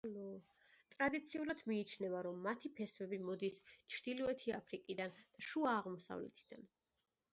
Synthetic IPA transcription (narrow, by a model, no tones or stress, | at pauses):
alɔ | t̪ʼɾad̪it̪sʰiulad̪miːt͡ʃʰnɛvaɾɔmːat̪ʰipʰɛsvɛbimɔd̪ist͡ʃʰɾd̪̥ilɔɛt̪ʰia̰pʰɾikʼid̪and̪̥aʃuaːʁmɔsa̰vlɛ̰t̪ʰid̪̥an